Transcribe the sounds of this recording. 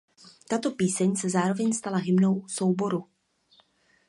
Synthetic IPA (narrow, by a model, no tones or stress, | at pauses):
t̪at̪o̞piːsɛɲsɛzaːɾo̞vɛɲst̪alaɦɪmnowso̞wbo̞ɾu